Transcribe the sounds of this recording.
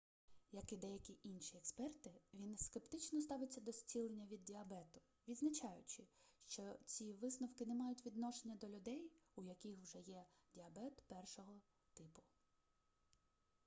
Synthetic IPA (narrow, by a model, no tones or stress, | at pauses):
jɐkɪd̪ɛjɐkʲiʔinʃʲiekspɛrt̪ɪʋʲinske̞pt̪ɪt͡ʃnɔst̪ɑʋɪt͡sʲːɐd̪ɔsʲt͡sʲilˠenʲːɐʋʲid̪̚ːʲiɐbɛt̪ʊ | ʋʲid̪znɐt͡ʃɑjʊt͡ʃɪʃt͡ʃɔt͡sʲiʋɪsnɔwkɪnemɑjʊtʲʋʲid̪nɔʃenʲːɐd̪ɔlʲʊd̪ɛjujɐkʲixwʒɛjɛ | dʲiɐbɛt̪pɛrʃɔɦɔ | t̪ɪpʊ̥